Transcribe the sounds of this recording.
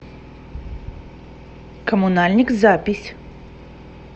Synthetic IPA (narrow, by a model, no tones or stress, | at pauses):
kəmʊnalʲnʲɪkzapʲɪsʲ